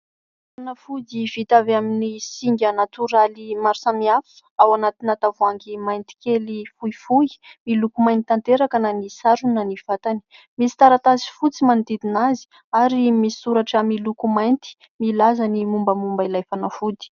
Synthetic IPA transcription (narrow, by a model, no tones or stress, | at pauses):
fanafud̪ivit̪avaminisiŋɡʲanat̪uɾalimaɾsamiafi̥awanat̪inat̪avuaŋɡimajnt̪i̥kelifuifuimilukumajnit̪ant̪eɾakananisaɾunaniv̥at̪ani̥ | misi̥t̪aɾat̪azi̥fut͡simand̪id̪inazi̥ | aɾimisuɾaʈ͡ʂəmilukumajnt̪i̥ | milazanimumbəmumbailajfanafud̪i̥